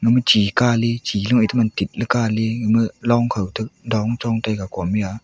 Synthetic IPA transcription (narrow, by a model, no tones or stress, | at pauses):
ŋɯmət͡ʃikalit͡ɕilɯŋʔətʰamantit̚lɯkaliŋɯmɯlɔŋkʰəwtʰɯk̚dɔŋt͡ʃɔŋtajkakɔmia